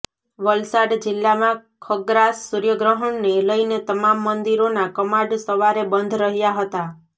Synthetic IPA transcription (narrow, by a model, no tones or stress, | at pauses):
ʋəlsaɖd͡ʒɪlːamãkʰəɡɾasːuɾjəɡɾəɦəɳneləinet̪əmamːənd̪iɾonakəmãɖsəʋaɾebənd̪ʱɾəɦjaɦət̪a